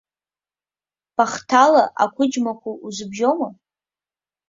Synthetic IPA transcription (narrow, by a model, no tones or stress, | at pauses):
b̥aχtʰalaʔa̰kʷʰʊd͡ʒmakʷʰuuzɨbʒoma